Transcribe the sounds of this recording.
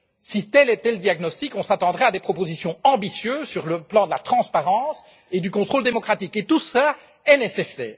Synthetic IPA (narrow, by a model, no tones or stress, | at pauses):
sit̪ɛlɛt̪ɛləd̪jaɡnɔst̪ikɔ̃sat̪ɑ̃d̪ʁɛad̪epχɔpozisjɔ̃ɑ̃bisjøːzsyʁləplɑ̃d̪əlat̪χɑ̃spaʁɑ̃ːs | ed̪ykɔ̃t̪χold̪emɔkχat̪iket̪usla | ɛnesesɛ̰ːʁ